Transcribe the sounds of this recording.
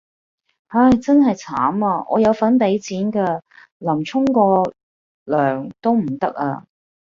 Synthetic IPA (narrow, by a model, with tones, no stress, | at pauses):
aː˧˥˩jt͡sɐ˥nɦɐ˨jt͡sʰa̰ː˨˥maː˧ʔɔ̰ː˨˧jɐ˨˧wfɐ˨˥npe˨˥jt͡siː˨˥nkɛː˧ | lɐ˨˩mt͡sʰʊ˥ŋkɔː˧ | lœː˨˩ŋt̪o˥wm̩˨˩t̪ɐ˥k̚a̰ː˧